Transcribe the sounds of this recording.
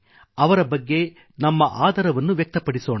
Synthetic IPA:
ɐʋɐɾɐbɐɡːe̞ | nɐmːɐʔaːd̪ʱɐɾɐʋɐnːuʋjɛk̚t̪ɐpɐɽiso̞ːɳ

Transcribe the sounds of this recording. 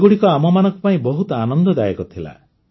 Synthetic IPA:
ɡuɽikɔamɔmanɔ̃ŋkupaĩbɔɦut̪ɔanɔnd̪ɔd̪ajekɔt̪ʰila̰

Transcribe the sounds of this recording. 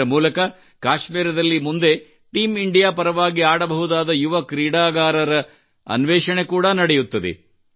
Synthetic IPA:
ɐmuːlɐkɐ | kaːʃmiːɾɐd̪ɐlːimund̪e̞ | ʈiːmiɳɖijaːpɐɾɐʋaːɡiaːɽɐbɐɦud̪aːd̪ɐjuʋɐkɾiːɽaːɡaːɾɐɾɐ | ɐ̰nʋɛːʂɐɳe̞kuːɽɐnɐɽejut̪ːɐd̪ḛ

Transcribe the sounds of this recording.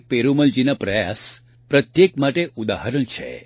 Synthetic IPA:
k̚peɾuməld͡ʒinapɾəja̰s | pɾət̪jekmaʈeʔud̪aɦəɾənt͡ʃʰḛ

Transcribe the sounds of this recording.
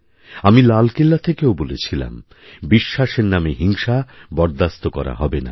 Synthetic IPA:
amilalkelːat̪ʰekeobolet͡ɕʰila̰m | biʃːaʃeɾnameɦiŋʃabɔɾd̪ast̪okɔɾa̰ɦɔbena̰

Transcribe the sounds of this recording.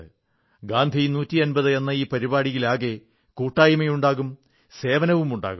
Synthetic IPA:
ɨ | ɡaːnd̪ʱijnuːtːiɐnbɐðɨenːɐiːpɐɾibaːɽijilaːɣe̞ | kuːʈːaːjimɐjuɳɖaːɣum | se̞ːʋɐnɐʋumuɳɖa̰ːɣu

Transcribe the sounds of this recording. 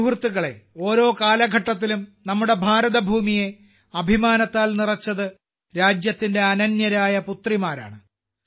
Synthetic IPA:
ɦrt̪ːuɣɐɭe̞̰o̞ːɾo̞ːkaːlɐɡʱɐʈːɐt̪̬ːilumnɐmːuɽe̞bʱaːɾɐðɐbʱuːmije̞ | ɐbʱimaːnɐt̪ːaːlnirɐt͡ɕːɐðɨ | ɾaːd͡ʑjɐt̪ːinde̞ɐnɐnjɐɾaːjɐput̪rimaːɾa̰ːɳɨ

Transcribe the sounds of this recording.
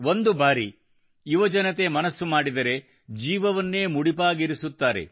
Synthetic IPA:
o̞nd̪ubaːɾi | iʋɐd͡ʒɐnɐt̪e̞mɐnɐsːumaːɽid̪ɐɾe̞ | d͡ʒiːʋɐʋɐnːe̞ːmuɽipaːɡiɾisut̪ːaːɾe̞̰

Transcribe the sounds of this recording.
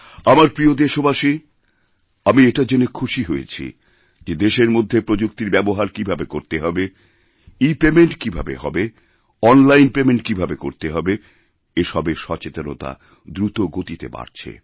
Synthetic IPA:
amaɾpɾiod̪eʃobaʃi | amieʈad͡ʑenekʰuʃiɦojḛt͡ɕʰḭ | d͡ʑed̪eʃeɾmod̪ʱːepɾod͡ʑukt̪iɾbɛboɦaɾkibʱabekoɾt̪eɦɔbe | ipemeɳʈkibʱa̰beɦɔbe | ɔnlajnpemeɳʈkibʱabeko̰ɾt̪eɦɔbe | eʃɔbeʃɔt͡ɕet̪ono̰t̪a̰ | d̪ɾut̪oɡot̪it̪ḛba̰ɾt͡ɕʰḛ

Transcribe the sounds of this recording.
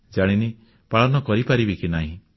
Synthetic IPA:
d͡ʒaɽ̃ini | paɭɔnɔkɔɾipaɾibikinaɦĩ

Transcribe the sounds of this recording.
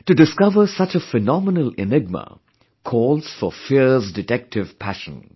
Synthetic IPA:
tɨdɪskʌvəsʌt͡ʃəfɛnɔmənəlɪ̰nɪɡ̚mə̰ | kʰɔːlˠz̥fəfisdɪtɛk̚tʰɪv̥pʰæʃə̰̃n

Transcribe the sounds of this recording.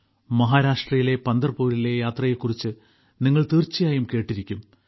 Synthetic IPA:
mɐɦaːɾaːʂʈrɐjile̞pɐnd̪ɐrpːuːɾile̞jaːt̪rɐjekːurit͡ɕːɨ | niŋːɐɭt̪iːrt͡ɕːijaːjumke̞ːʈːiɾikʲːum

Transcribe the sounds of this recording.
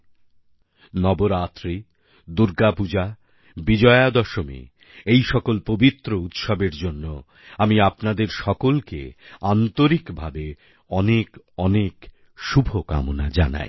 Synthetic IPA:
nɔboɾat̪ːɾi | d̪uɾɡapud͡ʑa | bid͡ʑɔead̪ɔʃomḭ | ejʃɔkolpobit̪ːɾout̪ʃobeɾd͡ʑonːo | amiapnad̪eɾʃɔkolkḛant̪oɾikbʱabe | ɔnek | ɔnek | ʃubʱoka̰monad͡ʑa̰na̰j

